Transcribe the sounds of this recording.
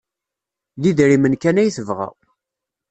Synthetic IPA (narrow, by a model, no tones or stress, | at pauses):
ðiðɾimənkænæjθəvʁæ̰w